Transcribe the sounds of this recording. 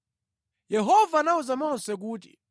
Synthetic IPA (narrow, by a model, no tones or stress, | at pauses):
jɛɦɔvanauzamɔnsɛk̬uːtḭ